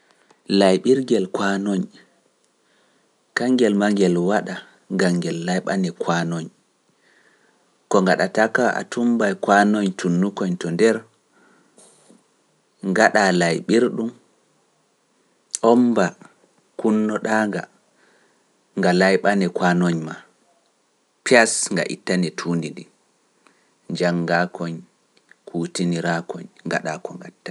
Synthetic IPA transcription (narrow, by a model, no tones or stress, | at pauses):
lajɓiɾɡɛlkwanoɲ | kaŋɡɛlmaŋɡɛlwaɗa | ŋɡaŋɡɛlːajɓanɛkwanɔɲ | kɔŋɡaɗatakaʔa̰tumbajkwanɔɲtʰunːukɔɲtɔndɛɾ | ŋɡaɗalajɓiɾɗum | ʔɔmba | kunːɔɗaːŋɡa | ŋɡalajɓanɛkwanɔɲma | piasŋɡa̰ʔḭtːanɛtʰuːndidi | d͡ʒaŋɡakʰɔɲ | kʰuːtiniɾakɔɲŋɡa̰ɗakɔŋɡatːa